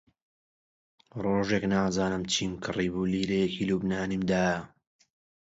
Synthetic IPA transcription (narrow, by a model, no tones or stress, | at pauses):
roːʒeknaːzaːnɨmt͡ʃʰiːmkʰɨriːbuliːɾejekilubnaːnimd̪aːjɐ